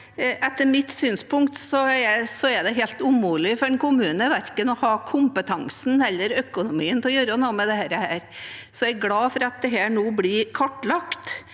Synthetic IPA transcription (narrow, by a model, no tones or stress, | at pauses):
ʔɛt̪ːəɾmɪt̪ːsyːnspʊŋkt̪sɔæsɔæd̪ɛɦelt̪umuːlɪfɔɖɛnkʰʊmʉːnəʋæɾkənɔhɑːkʰʊmpət̪ʰɑŋsn̩ɛlːəɾœkʊnʊmiːənt̪ʰɛɔjøːɾənuːəmɛd̪ɛhæːɾəhæːɾsɔæɪɡlɑːfɔɾɑt̪̚d̪ɛɦæːɳuːblɪɾkʰɔʈːlɑkt̪